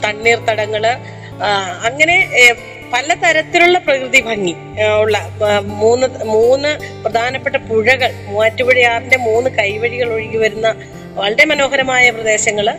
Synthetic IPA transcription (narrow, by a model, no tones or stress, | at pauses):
t̪ɐɳːiːrt̪ɐɽɐŋːɐɭ | ɐŋːɐne̞ | pɐlɐt̪ɐɾɐt̪ːiluɭːɐprɐkrɨðibʱɐŋːi | uɭːɐmuːnːɨmuːnːɨprɐd̪ʱaːnɐpːe̞ʈːɐpuɻɐɣɐɭmaːtːuʋɐɻijaːrinde̞muːnːɨkɐjʋɐɻiɣɐɭo̞ɻikːiʋɐɾunːɐ | ʋɐɭɐɾemɐno̞ːɦɐɾɐmaːjɐprɐd̪e̞ːɕɐŋːɐɭ